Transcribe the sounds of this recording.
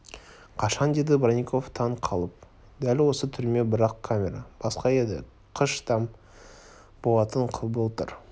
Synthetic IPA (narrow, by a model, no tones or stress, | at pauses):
qʰɑʃɑnd̪e̞d̪ɪbranʲikʰo̞ft̪ʰɑɴqʰɑlˠəp̚ | d̪ælʲwo̞sət̪ʰʏɾme̞bəɾɑqkʰamʲe̞ɾɑb̥ɑsqɑe̞d̪ɪ̰ | qʰəʃt̪ʰɑm | b̥o̞lˠɑt̪əɴqʰəbəlˠt̪ə̰ɾ